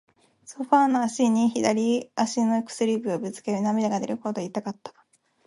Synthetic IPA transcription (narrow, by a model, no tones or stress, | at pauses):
so̞ɸaːno̞aɕiɲ̟içid̪aɾʲiaɕino̞ekɯ̥sɨɾʲibɯobɯ̟t͡sɨ̥ke̞ɾɯ̟namʲid̪aɡad̪eɾɯ̟kot̪oit̪ːakat̪ːḁ